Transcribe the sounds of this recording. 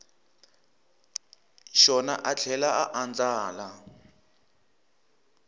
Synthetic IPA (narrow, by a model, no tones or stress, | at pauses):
ʃɔnaʔat͡ɬʰɛlaaʔand͡zaːla